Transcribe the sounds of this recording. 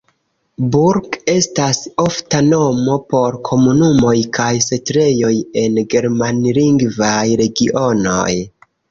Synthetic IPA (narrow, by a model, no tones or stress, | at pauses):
buɾɡe̞staso̞ftano̞mo̞po̞ɾkʰo̞munumo̞jkajsetɾe̞jo̞je̞nɡe̞ɾmanliŋɡvajɾe̞ɡiʔo̞no̞̰j